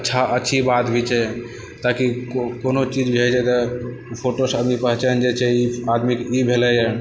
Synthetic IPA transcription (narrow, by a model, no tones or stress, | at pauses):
əːʃʰaʔəːʃʰibat̪bʱit͡ʃɛ | t̪akikonot͡ʃid͡ʒbʱed͡ʒat̪ə | pʰoʈosad̪nipəɦt͡ʃand͡ʒet͡ʃʰeiad̪mikibʱelɛja